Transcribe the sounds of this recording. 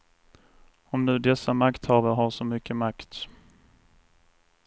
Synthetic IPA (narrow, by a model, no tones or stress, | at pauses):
ɔmnʉ̟ːd̪ɛsːamakt̪hɑːvəɾɦaɾʂɔmʏkːəmakt̪